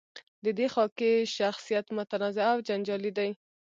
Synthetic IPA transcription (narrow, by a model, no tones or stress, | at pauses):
d̪əd̪exɑkeʃaxsijat̪mʊt̪anɑzɪawd͡ʒand͡ʒɑlid̪aj